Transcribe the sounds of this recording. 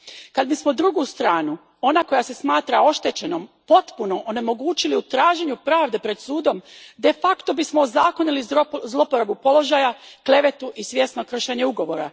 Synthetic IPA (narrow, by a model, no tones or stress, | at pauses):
kad̪mismod̪ɾuɡust̪ɾaːnu | o̞nako̞jase̞smaːt̪ɾao̞ʃt̪e̞t͡ɕe̞no̞mpo̞t̪puno̞ʔone̞mo̞ɡuːt͡ɕiliut̪ɾaːʒe̞ɲupɾaːʋd̪e̞pɾe̞d̪suːd̪o̞md̪e̞fakt̪o̞bismoːzaːko̞nilizlˠo̞poɾabupo̞lo̞ʒajakle̞ʋe̞t̪uʔisʋje̞sno̞kr̩ʃeɲeuɡo̞ʋo̞ɾa